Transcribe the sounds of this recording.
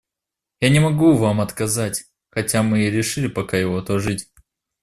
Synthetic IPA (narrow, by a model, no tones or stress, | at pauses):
janʲɪmɐɡuvamɐt̪kɐzatʲ | xɐtʲamɨɾʲɪʂɨlʲɪpɐkajɪvot̪oʐɨtʲ